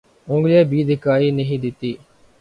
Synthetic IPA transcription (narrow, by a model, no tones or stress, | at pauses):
ʊ̃ŋɡlɛːbiːd̪ʱɪkaːiːnəɦĩːd̪ɪt̪iː